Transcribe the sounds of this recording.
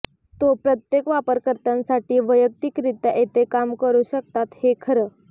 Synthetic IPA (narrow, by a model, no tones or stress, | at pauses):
t̪opɾət̪jekʋapəɾkəɾt̪ansaʈiːʋəjək̚t̪ikɾit̪əʔet̪ekamkəɾuːɕək̚t̪at̪hekʰəɾəː